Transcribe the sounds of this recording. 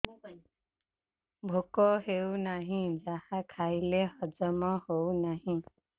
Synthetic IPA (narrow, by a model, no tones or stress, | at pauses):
bʱokɔɦewnaɦĩd͡ʒahakʰaileɦʌd͡ʒəmɔ̃hownaɦĩ